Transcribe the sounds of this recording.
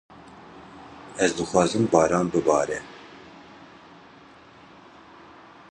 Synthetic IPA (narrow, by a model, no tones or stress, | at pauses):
ɛzd̪ɨxwɑːzɨmbɑːɾɑːnbɨbɑːɾɛ